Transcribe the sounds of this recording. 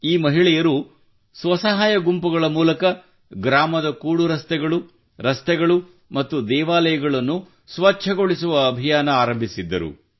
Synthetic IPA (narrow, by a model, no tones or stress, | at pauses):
iːmɐɦiɭɛjɐɾu | sʋɐsɐɦaːjɐɡumpuɡɐɭɐmuːlɐkɐ | ɡɾaːmɐd̪ɐkuːɽuɾɐst̪ɛɡɐɭu | ɾɐst̪ɛɡɐɭu | mɐt̪ːud̪ɛːʋaːlɐjɐɡɐɭɐnːu | sʋɐt͡ʃʰɐɡo̞ɭisuʋɐːbʱijaːnɐaːɾɐmbʱisid̪ːɐ̰ɾṵ